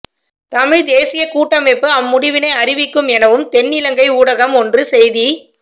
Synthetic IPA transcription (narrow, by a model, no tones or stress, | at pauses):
t̪ɐmɪɻd̪eːsɪjɐkuːʈːɐmɛpːɯɐmːʊɽɪʋɪnɐɪɐrɪʋɪkːɯmɛnɐʋɯmt̪ɛnːɪlɐŋɡɐɪuːɽɐɣɐmɔndrɯsɛjði